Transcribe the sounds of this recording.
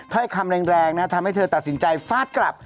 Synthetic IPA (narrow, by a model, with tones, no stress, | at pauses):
t̪ʰɔ˥˩jkʰa˧mɾɛː˧ŋɾɛː˧ŋna˦˥t̪ʰa˧mha˥˩jt̪ʰɤː˧t̪a˨t̪̚si˩˦nt͡ɕa˧jfaː˥˩t̪̚kla̰˨˩p̚